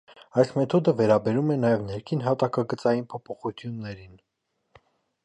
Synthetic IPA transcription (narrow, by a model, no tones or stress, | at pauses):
ɑjsmɛt̪ʰɔd̪əvɛɾɑbɛɾumɛnɑjɛvnɛɾkʰinɦɑt̪ɑkɑɡət͡sɑjinpʰɔpʰɔχut͡s̪ʰjunːɛɾin